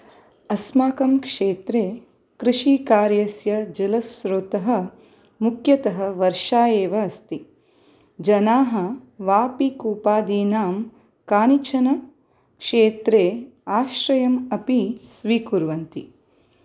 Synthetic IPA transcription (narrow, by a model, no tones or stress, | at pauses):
ɐsmaːkɐmkʂeːt̪ɾeː | kɾiʂikaːɾjɐsjɐd͡ʒɐlɐsɾoːt̪ɐɦɐ̆ | mukʰjɐt̪ɐɦɐʋɐɾʂaːjeːʋɐːst̪i | d͡ʒɐnaːɦɐ̆ʋaːpikuːpaːd̪iːnaːm | kaːnit͡ʃʰɐnɐ | kʂeːt̪ɾeː | aːʃɾɐjɐmɐpisʋiːkuɾʋɐnt̪ḭ